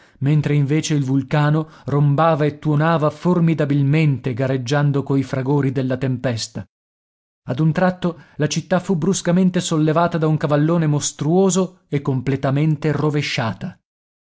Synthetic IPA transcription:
ment̪ɾeiɱveːt͡ʃeilvulkaːno | rombaːvaet̪ːuonaːvaformid̪abilment̪eɡaɾed͡ʒːand̪okoifɾaɡoːɾid̪elːat̪empɛst̪a | ad̪unt̪ɾat̪ːolat͡ʃit̪ːafubɾuskament̪esolːevaːt̪ad̪auŋkavalːoːnemost̪ɾuoːzo | ekːomplet̪ament̪eroveʃːaːt̪a

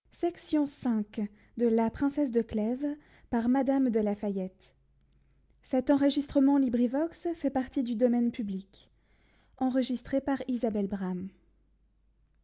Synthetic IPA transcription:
sɛksjɔ̃sɛ̃k | d̪əlapχɛ̃sɛs̬d̪əklɛv | paʁmad̪amd̪əlafajɛt̪ | sɛt̪ɑ̃ʁəʒist̪χəmɑ̃libʁivɔksfɛpaʁt̪id̪yd̪ɔmɛnpyblik | ɑ̃ʁəʒist̪χepaʁizabɛlbʁam

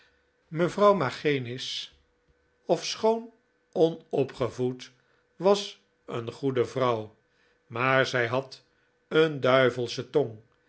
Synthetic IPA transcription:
məvrʌwmaχejnɪs | ɔfsχown | ɔnɔpχəvut | ʋɑs | ə̰nχudəvrʌw | maːɹzɛjɦɑt | əndœɥvəlˠsətɔŋ

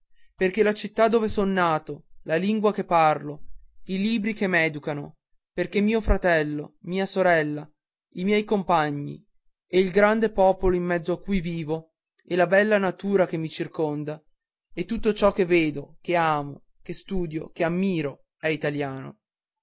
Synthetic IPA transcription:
perk̟elat͡ʃit̪ːad̪ːoːvesonːaːt̪olaliŋɡwakepːarloiliːbɾikemɛːd̪ukano | perkemiːofɾat̪ɛlːo̰miːasoɾɛlːa | imjɛjkompaɲːḭ | eilɡɾand̪epɔːpoloimːɛd̪zːoakːujviːvo | elabɛlːanat̪uːɾak̟emːit͡ʃirkond̪a | et̪ːut̪ːot͡ʃɔkːevːeːd̪okeaːmo | kest̪uːd̪jo̰keamːiːɾo | ɛit̪aljaːno̰

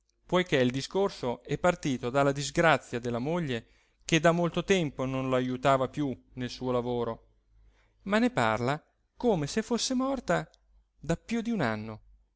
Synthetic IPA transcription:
pojk̟eild̪iskorsoɛpːart̪iːt̪od̪alːad̪izɡɾat̪sːjad̪elːamoʎːe | k̟ed̪amːolt̪ot̪ɛmpononloajut̪aːvapju | nelsuːolavoːɾo | manːepa̰rla | koːmesefːosːemɔrt̪a | d̪apjud̪iunanːo

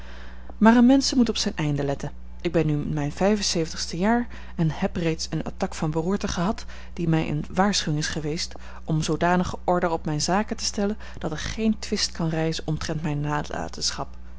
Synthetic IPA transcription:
maːrənmɛnsəmutɔpsɛnʔɛjndəlɛtən | ʔɪɡ̚bɛnːymɛjnv̥ɛjvənsejvəntəχstəjaːɹ | ɛnɦɛprejtsəna̰tɑkfɑnbəruːɹtəχəɦɑt | d̥imɛjʔə̰nʋaːɹsχyɪŋɪsχəʋejst | ɔmzowdaːnəχəʔɔɹdərɔpmɛjnzaːkətə̥stɛlən | d̥ɑtɪkχejntʋɪst̚kɑnrɛjzənɔmtrɛntmɛjnːaːdla̰ːtəsχɑp

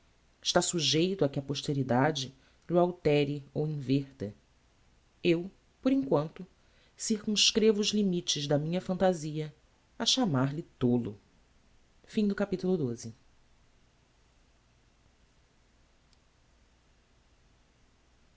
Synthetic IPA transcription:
ɪʃt̪asuʒejt̪ʊɐkɪɐpoʃt̪eɾid̪ad͡ʒɪ | lʊawt̪ɛɾɪowĩveχt̪ɐ | ew | poɾĩŋkwɐ̃nt̪ʊ | siɾkũskɾevʊːzlimit͡ʃɪzd̪ɐmĩɲɐfɐ̃nt̪aziɐ | ɐʃamaɾlɪt̪olʊ̰ | fĩd̪ʊkapit̪ulʊd̪ozɪ

